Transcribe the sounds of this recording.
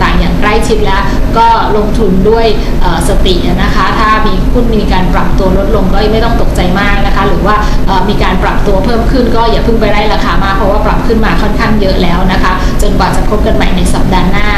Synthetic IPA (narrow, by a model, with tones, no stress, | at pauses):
t̪aː˨˩ŋjaː˨˩ŋkɾa˥˩jt͡ɕʰi˦˥p̚lɛː˦˥wkɔː˥˩lo˧ŋt̪ʰu˧ndu˥˩əj | ʔɤː˨˩sa˧t̪i˨˩ʔa˨˩na˦˥kʰa˦˥t̪ʰaː˥˩miː˧kʰu˥˩nmiː˧kaː˧npɾa˨˩p̚t̪u˧ɐlo˦˥t̪̚lo˧ŋkɔː˥˩jma˥˩jt̪ɔ˥˩ŋt̪o˨˩k̚t͡ɕa˧jmaː˥˩k̚na˦˥kʰa˦˥ɾɯː˩˦waː˥˩ʔɤː˨˩miː˧kaː˧npɾa˨˩p̚t̪u˧ɐpʰɤː˥˩mkʰɯ˥˩nkɔː˥˩jaː˨˩pʰɯ˥˩ŋp̬a˧jɾa˥˩jɾaː˧xaː˨˧maː˥˩pʰɾɔ˧˦˥waː˥˩pɾa˨˩p̚kʰɯ˥˩nmaː˧kʰɔ˥˩nkʰaː˥˩ŋjɤ˦˥ʔlɛː˦˥wna˦˥kʰa˦˥t͡ɕo˧nkwaː˨˩t͡ɕa˨˩kʰo˦˥ka˧nma˨˩jna˧jsa˨˦p̚daː˧nːaː˥˩